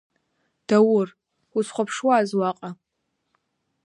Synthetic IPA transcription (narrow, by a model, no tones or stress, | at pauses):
d̥awʊr | usʰχʷapʰʂwaːzwaqʼa